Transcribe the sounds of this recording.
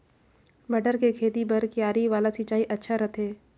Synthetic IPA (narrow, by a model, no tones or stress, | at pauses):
mɐɖəɾkekʰeːt̪ipɐɾkjaːɾiʋaːlasɪːt͡ʃaːiʔɐtːʃʰaɾɐt̪ʰeː